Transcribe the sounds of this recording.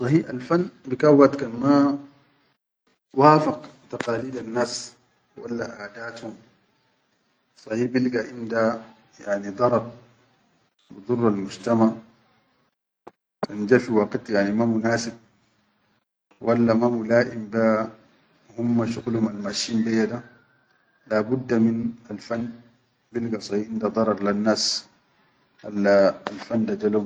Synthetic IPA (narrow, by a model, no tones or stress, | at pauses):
sˤɑhiːa̰lfanːbikawːat̪kanma | waːfɑqt̪aqaːliːd̪anːaːs | wa̰lːaʔaːd̪aːt̪hum | sˤɑhiːbilɡaʔind̪a | jaʕnid̪ˤɑɾˤɑb̚ | wid̪ˤurˤːalmud͡ʒt̪amaʕ | kand͡ʒafiwɑːqit̪ˤjaʕnimamunaːsib̚ | wʔalːamamulaːʔimba | humːaʃuɣlhumalmaʃiːnbejːad̪a | laːbud̪ːaminalfanː | bilɡasˤɑhiʔind̪ad̪ˤɑɾˤɑɾˤlanːaːs | alaːlfanːd̪ad͡ʒalum